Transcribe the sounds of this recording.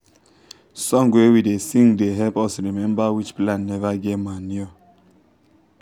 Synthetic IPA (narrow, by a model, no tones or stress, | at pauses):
sɔ̃ŋɡwewidesĩŋdeɦɛpɔsɾimɛ̃mbawit͡ʃplãnːɛvaɡɛtmanio